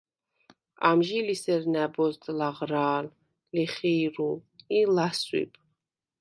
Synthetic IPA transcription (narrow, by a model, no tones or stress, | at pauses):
a̰mʒilisɛɾnæbɔzt̪ʼlaʁɾaːl | liχiːɾuilaswḭb